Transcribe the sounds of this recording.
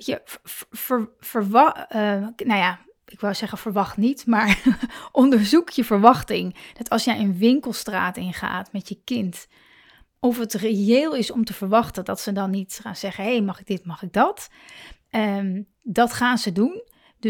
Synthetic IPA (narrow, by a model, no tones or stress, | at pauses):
jəfəɹ | fəɹʋɑ | nawjaː | ɪkʋɪlˠzɛχənvəɹʋɑχtnitmaːɹʔɔndəɹzukjəvəɹʋɑχtɪŋd̥ɑtɑlˠsjɛjənʋɪŋkəlˠstra̰ːtɪnχa̰ːtmɛtjəkɪnt | ɔfətreeːlˠɪsɔmtəvəɹʋɑχtəndɑtsədɑnːitχa̰ːnz̥ɛχənɦejmɑχɪɡ̚dɪtmɑχɪɡ̚dɑt | ə | dɑtχaːnzədun | d